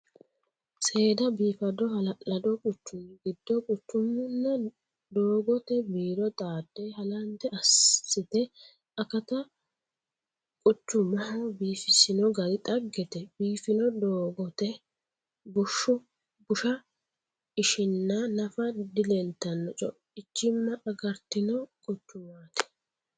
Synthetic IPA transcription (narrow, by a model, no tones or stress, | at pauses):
sʼe̞ːd̪ɐbiːfɐd̪ɔhɐlɐlɐd̪ɔkʼʊt͡ʃːʊmɡɪd̪ːɔkʼʊt͡ʃːʊmːʊnːɐ | d̪oːɡɔt̪ɛbiːɾɔt̪ʼaːd̪ːeɦɐlɐnt̪ːɛɐsɪt̪ɛ | ɐkɐt̪ɐ | kʼʊt͡ʃːʊmːɐhɐbiːfɪsɪnɔɡɐdɪt̪ʼɐɡːɛt̪ɛbiːfɪnɔd̪oːɡɔt̪ɛ | bʊʃːʊ | bʊʃɐ | ɪʃɪnːanɐfɐd̪ɪlɛnt̪ːɐnːɔt͡ʃʼɔ̰ | ɪt͡ʃːɪmːɐʔɐɡɐɾt̪ɪnɔkʼʊt͡ʃːʊmaːt̪ɛ̥